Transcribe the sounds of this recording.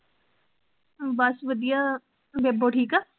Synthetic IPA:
bɐsʋəd̪ija | beboʈʰiːkaː

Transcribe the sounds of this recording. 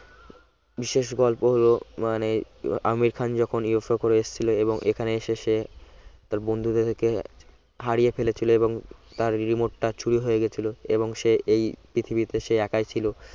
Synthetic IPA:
biʃeʃɡɔlpoɦolomanea̰miɾkʰand͡ʑɔkʰoniafaɾkoɾeeʃt͡ɕʰiloeboŋʔḛkʰaneeʃeʃet̪aɾbond̪ʱut̪et̪ʰeke | ɦaɾijefelet͡ɕʰiloeboŋt̪aɾɾimoʈʈat͡ɕʰuɾiɦojeɡet͡ɕʰiloeβoŋʃeejpɾit̪ʰibit̪eʃeɛkajt͡ɕʰilo

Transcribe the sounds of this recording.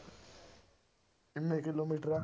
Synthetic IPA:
imekʼilomitra

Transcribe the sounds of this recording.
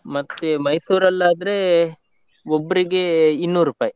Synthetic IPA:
mɐt̪ːemɐjsuːɾɐlːaːd̪ɐɾe | obːɐɾiɡeinːuːɾuːpaːji

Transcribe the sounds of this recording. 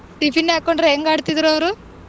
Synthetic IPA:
ʈipʰinːaːkoɳɖɾeeŋɡaːɽt̪id̪ɾɐʋɐɾu

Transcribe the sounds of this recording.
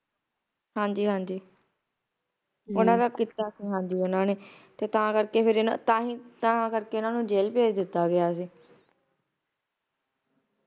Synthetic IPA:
hãːɲd͡ʒiːɦãːɲd͡ʒiː | ʊnãːd̪akːɪt̪aːsiːɦãːɲd͡ʒiːʊnãːneː | t̪eːt̪ãːkəɾkeːpʰɪɾɪnãt̪ãːɦĩːt̪aãːkəɾkeːʊnãːnũːd͡ʒeːlpeːd͡ʒd̪ɪt̪ːaːɡɪjaːs̬iː

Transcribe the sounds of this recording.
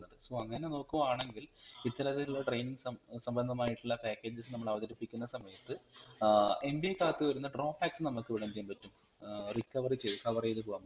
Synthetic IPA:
nːɐðɨso̞ːɐŋːɐneno̞ːkːuʋaːɳe̞ŋɡilit̪ːɐlɐðɐiluɭːɐʈrejniŋɡsɐmsɐmbɐnd̪ʱɐmaːjiʈːuɭːɐpaːkːe̞ːd͡ʑɐs̬ɨnɐmːɐɭɐʋɐd̪ɐɾipːikʲːunːɐsɐmɐjɐt̪ːɨ | e̞mbiekaːt̪ːɨʋɐɾunːɐɖro̞ːfaːksɨnɐmːukːɨʋiɽɐmd̪ijɐːmpɐtːum | rikːɐʋɐrit͡ɕeðkɐʋɐriejðɨpoːɐm

